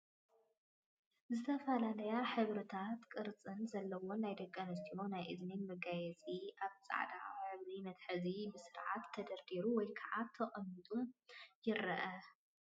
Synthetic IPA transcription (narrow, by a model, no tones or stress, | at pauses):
zɨt̪ʰɐfɐlalɐjaħɨβɾɨt̪ʰat̪kʼɨɾt͡sʼɨnzɐlːɐwo̞najd̪ɐkʼːanɐst̪io̞najʔɨzminmɨɡajɛt͡sʼiʔaβt͡sʼa̰ʕd̪a̰ħɨβlimɐt̪ħɨzibɨsɨɾʕat̪ʰːɐd̪ɐɾd̪iɾuwɔjkʰaʕat̪ʰːɐχʼɐmːɨt̪ʼumjɪɾɐʔɐ